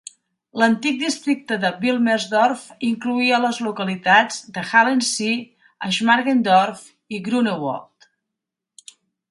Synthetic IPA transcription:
lənt̪ik̚d̪ist̪ɾik̚t̪əðəβilˠmɛzdɔrfiŋkluiələzlukəlit̪ad͡zd̪əxalensi | əʒmaɾɣend̪ɔrf | iɣɾunewɔ̰lˠt̪

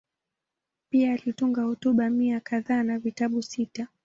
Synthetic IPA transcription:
piaːlituŋɡahɔtuɓamiakaðaːnavitaɓusita

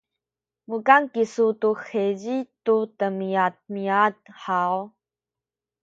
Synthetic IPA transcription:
wukankisutuxeʑitutəmiat̪̚miat̪ħaw

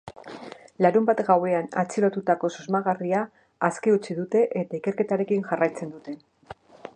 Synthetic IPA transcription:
laɾumbat̪ɡawe̞ana̰t͡silo̞t̪ut̪ako̞sozmaɣ̞ariaː | skeut͡siðut̪e̞ʔet̪aike̞ɾke̞t̪aɾe̞kinʝarajt͡se̞nd̪ut̪e̞

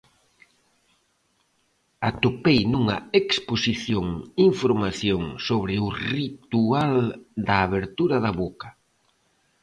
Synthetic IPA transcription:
at̪opejnuŋɐeksposiθjoŋiɱfoɾmaθjoŋsoβɾɪʊrit̪uald̪ɐːβeɾt̪uɾɐðɐβokɐ̥

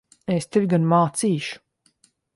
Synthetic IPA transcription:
est̪evʲɡanmaːt̪siːʃu̥

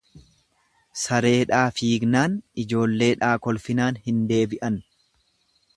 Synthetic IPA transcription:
sɐɾe̞ːᶑaːfiːɡnaːnɪd͡ʒo̞ːlːe̞ːᶑaːkɔlfɪnaːnhɪnd̪e̞ːbɪʔɐn

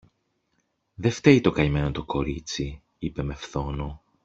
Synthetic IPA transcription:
ðe̞ft̪e̞it̪o̞kɐime̞not̪o̞ko̞ɾit͡si | ipe̞me̞fθo̞no

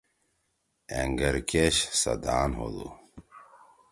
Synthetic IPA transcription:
eŋɡɐɾkeɕsɐd̪aːnɦo̰d̪ṵ

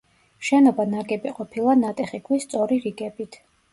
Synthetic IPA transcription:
ʃɛnɔbanaɡʼɛbiqʼɔpʰilˠanat̪ʼɛχikʰwist̪sʼɔɾiɾiɡɛbit̪ʰ

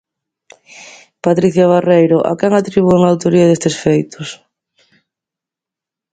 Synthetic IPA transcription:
pat̪ɾiθjaβarejɾoʔa̰kɛŋat̪ɾiβueŋawt̪oɾiaðest̪esfejt̪ʊs

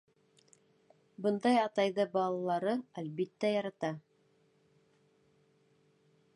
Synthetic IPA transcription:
bɤ̆nd̪ɑjɑt̪ɑjðɤbɑlˠɑlˠɑɾɤælβit̪ːæjɑɾɑt̪ɑ

